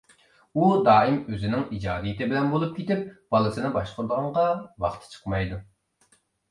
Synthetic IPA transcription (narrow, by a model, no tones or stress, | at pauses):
ud̪ɑːimøzɪnɪŋid͡ʒɑːd̪ijit̪ɪbɪlɛnbolˠup̚kʲʰet̪ɪp̚b̥ɑlˠɨsɨnɨbɑʃqʊɾd̪əʁɑɴʁɑwɑ̰χt̪ʰɨ̥t͡ʃʰə̥qmɑjd̪u